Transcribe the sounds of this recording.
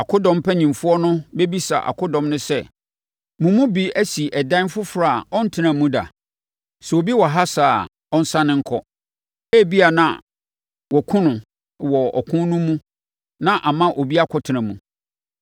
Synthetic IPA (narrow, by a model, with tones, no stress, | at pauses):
a˨kʰʊ˦dɔ̃˨m˦pʰæ˦ɲĩ˨mfʊ˦ɔ˦nʊ̃˦be˦bi˦sa̰˨ʔa̰˨kʰʊ˦dɔ̃˨mnʊ̃˦sɛ˦ | mũ˨mũ˦bi˦æ˦si˨ʔɛ˨dã˦n˦fʊ˦fɾa˦˨a˨ɔ̃˦n̩˦tʰɪ˦nã˨mũ˦da̰˨ | sɛ˨o˨bi˦wɔ˨ɦa˦saː˨ | ɔ̃˦n̩˦sã˦nɪ̃˦ŋ̩˦kʰɔ˦ | æ˦˨bi˦a˨nã̰˨ | wɔ˨kʰʊ̃˦nʊ̃˨ | wɔ˨ɔ̰˨kʰʊ̃˦n˦nũ˦mũ˦ | nã˦ʔa˨mã˦ʔo˨bi˦a˦kʰɔ˦tʰɪ˨nã˨mũ˨